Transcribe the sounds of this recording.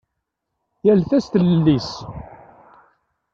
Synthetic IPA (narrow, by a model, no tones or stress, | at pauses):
jælθæst̪əllːis